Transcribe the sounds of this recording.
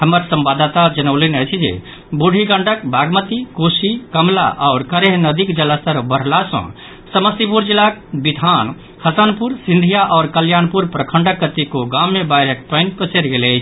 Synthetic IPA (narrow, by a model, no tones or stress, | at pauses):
ɦəməɾsəmbad̪t̪ad͡ʒənəlinəjt͡ʃʰid͡ʒḛ | buɽʱiɡəɳɖəkbʱaɡmət̪ikosikəmla̰ʔɔʊɾkəɾeɦnəd̪ikd͡ʒələst̪əɾbəɾ̤lasə̰̃ | səməst̪ipuɾd͡ʒilak̚bid̪ʱan | həsənpuɾsĩnd̪ʱijaʔɔːɾkəljanpuɾpɾəkʰəɳɖəkːət̪ikoɡamːebajɾək̚pəɪnpəseɾɡelət͡ʃʰ